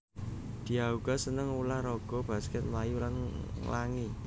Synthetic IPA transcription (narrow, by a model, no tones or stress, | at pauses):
d̪̥i̤auɡ̥a̤sənəŋulahɾɔɡ̥ɔ̤b̥a̤skɛt̪̚mlajulanlaŋi